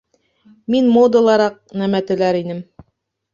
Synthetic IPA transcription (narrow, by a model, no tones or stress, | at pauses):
minmod̪ɤ̆lˠɑɾɑq̚næmæt̪ɘ̆læɾinɘm